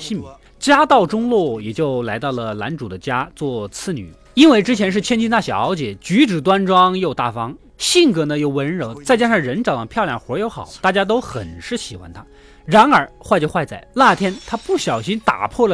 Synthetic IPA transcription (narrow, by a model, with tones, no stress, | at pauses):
ɕi˥˩nmḭ˧˩˥ | t͡ɕja˥t̪ɑ˥˩ʊʈ͡ʂʊ˥ŋlwɔ˥˩jɛ˨˩t͡ɕjo˥˩ʊla˧˥ɪt̪ɑ˥˩ʊlə˩la̰˧˥nʈ͡ʂu˨˩d̪ə˦t͡ɕja˥t͡swɔ˥˩t͡sʰɹ̩˥˩ny̰˨˩˦ | i˥nwe˥˩ɪʈ͡ʂɻ̩˥t͡ɕʰjɛ˧˥nʂ̬ɻ̩˥˩t͡ɕʰjɛ˥nt͡ɕʰi˥nt̪a˥˩ɕjɑ˨˩ɑ˧˥ʊt͡ɕjɛ˨˩˦t͡ɕy˧˥ʈ͡ʂɻ̩˨˩t̪wa˥nʈ͡ʂwɑ˥ŋjo˥˧ʊt̪a˥˩fɑ˥ŋ | ɕi˥˩ŋkɤ˧˥nə˧jo˥˩ʊwə˧˥nɻo˧˥ʊt͡sa˥˩ɪt͡ɕja˥ʂɑ˥˩ŋɻə˧˥nʈ͡ʂɑ˥˨˩ʊd̪pʰjɑ˥˧ʊljɑ˥˩ŋxwɔ˧˥jo˧˥ʊxɑ̰˨˩˦ʊt̪a˥˩t͡ɕja˥t̪̬o˥ʊxə˨˩nʂɻ̩˥˩ɕi˨˩xwa̰˧˥nt̪ʰa˥ | ɻa˧˥nə˞˧˥xwa˥˧ɪt͡ɕjo˥˧ʊxwa˥˧ɪt͡sa˥˩ɪla˥˩t̪ʰjɛ˥nt̪ʰa˥pu˥˩ɕjɑ˨˩ʊɕi˥nt̪a̰˨˩pʰwɔ˥˩lə˩